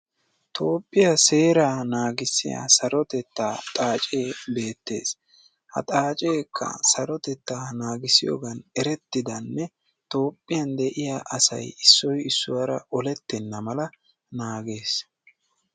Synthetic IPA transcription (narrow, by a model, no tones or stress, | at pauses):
t̪ʰo̞ːpʼːɪjɐse̞ːɾaːnaːɡɪsːɪ̰ja̰ːsɐɾɔt̪ɛt̪ːaːt̪ʼaːt͡ʃʼe̞ːbe̞ːt̪ːe̞̰ːs | hɐ̰t̪ʼaːt͡ʃʼe̞ːkʰːɐ̰sɐɾɔt̪ɛt̪ːaːnaːɡɪsɪjo̰ːɡɐnɛɾɛt̪ːɪd̪ɐnːɛ | t̪o̞ːpʼːɪjɐnd̪ɛʔɪjaʔɐsɐ̰jɪsːɔjɪsːʊwɐɾɐ̰ʔɔlɛt̪ːɛnːɐmɐlɐ | naːɡe̞ːs